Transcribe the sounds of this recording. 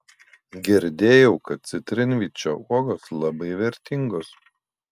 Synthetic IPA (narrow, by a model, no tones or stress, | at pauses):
ɡʲɛɾʲd̪ʲeːjɛʊkɐt̪̚t̪sʲɪt̪ʲɾʲɪnʲʋʲit͡ʃʲoːuɔɡoːslˠɐbɐɪʋʲɛɾʲt̪ʲɪŋɡoːs